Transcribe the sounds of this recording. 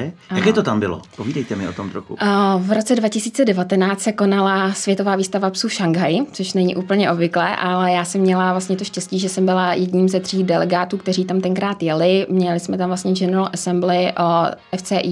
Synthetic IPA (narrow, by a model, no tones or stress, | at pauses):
jakɛːt̪ot̪ambɪlo̰poviːdɛjt̪ɛmɪʔot̪omt̪ɾoxṵvɾot͡sɛdvacɪsiːt͡sɛdɛvat̪ɛnaːt͡st̪sɛko̞nalasv̥jɛt̪ovaːviːst̪avapsuʃaŋɡɦajt͡soʃnɛɲiʔuːpl̩ɲɛʔo̞bvɪklɛːʔalɛjaːsɛmːɲɛlavlast̪ɲɛt̪oʃcɛsciːʒɛsɛmbɪlajɛdɲiːmzɛt̪r̝̥iːxdɛlɛɡaːt̪uːk̚t̪ɛɾiːt̪amt̪ɛŋkɾaːt̪jɛlɪmɲɛlɪsmɛt̪amvlast̪ɲɛd͡ʒɛnɛlʔɛsɛmblɪʔoʔɛft͡sɛːʔiː